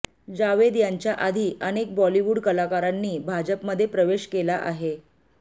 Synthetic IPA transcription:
d͡ʑaʋed̪jaɲt͡ɕjaʔad̪ʱiːʔənek̚bɔliʋuːɽkəlakaɾanːiːbʱad͡ʑəpməd̪ʱːjepɾəʋeɕkelaʔa̰ɦe

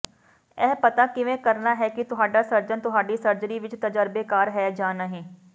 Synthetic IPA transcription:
ɛːpət̪aːkɪʋẽːkəɾnaːɦɛːkɪt̪ʊɦaːɖaːsəɾd͡ʒənt̪ʊɦaːɖiːsəɾd͡ʒəɾiːʋɪt͡ʃt̪əd͡ʒəɾbeːkaːɾɦɛːd͡ʒaːnaːɦɛ̃ː

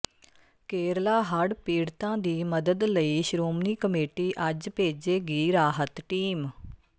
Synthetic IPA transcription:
keːɾlaːɦəɽpiːɽt̪ãːd̪iːməd̪əd̪ləiːʃɾoːmniːkəmeːʈiːʔəd͡ʒpeːd͡ʒeːɡiːɾaːɦət̪ʈiːm

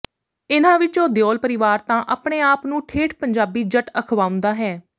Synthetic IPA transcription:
ɪnãːʋɪt͡ʃoːd̪jɔːlpəɾɪʋaːɾt̪ãːʔaːpɳeːaːpnũːʈʰeːʈʰpəɲd͡ʒaːbiːd͡ʒəʈəkʰʋaːʊ̃nd̪aːɦɛː

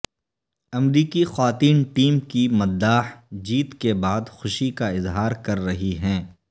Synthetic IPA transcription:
ɐmɾiːkixwaːt̪iːnʈiːmkimɐd̪ːaːħd͡ʒiːt̪kebaːd̪xʊʃikaɪzɦaːɾkɐɾːɐɦiɦɛ̃ː

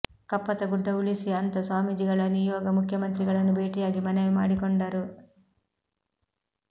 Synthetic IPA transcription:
kɐpːɐt̪ɐɡuɖːɐuɭisiɐnt̪ɐsaːmid͡ʒiɡɐɭɐnijɔːɡɐmukʰjɐmɐnt̪ɾiɡɐɭɐnːubʱeːʈijaːɡimɐneʋimaːɽikoɳɖɐɾu

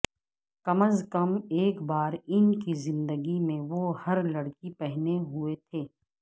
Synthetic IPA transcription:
kɐməzkɐmeːkbaːɾɪnkizɪ̃nd̪əɡimẽʋohɐɾlɐɽkipɛɦneɦʊet̪ʰeː

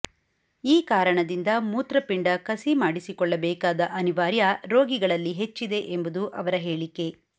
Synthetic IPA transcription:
iːkaːɾɐɳɐd̪ind̪ɐmuːt̪ɾɐpiɳɖɐkɐsimaːɽisikɔɭːɐbɛːkaːd̪ɐʔɐniʋaːɾjɐɾo̞ːɡiɡɐɭɐlːiɦe̞t͡ʃːid̪e̞ʔembud̪uʔɐʋɐɾɐɦe̞ːɭikːe̞

